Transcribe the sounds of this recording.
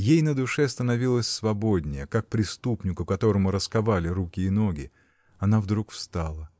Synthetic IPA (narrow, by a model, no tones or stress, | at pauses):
jejnəd̪ʊʂɛst̪ənɐvʲilˠəsʲsvɐbo̞dʲnʲɪjəkak̚pɾʲɪst̪upnʲɪkʊkɐt̪o̞ɾəmʊɾəskɐvalʲɪɾukʲɪːno̞ɡʲɪ | ɐnavd̪ɾukfst̪alˠə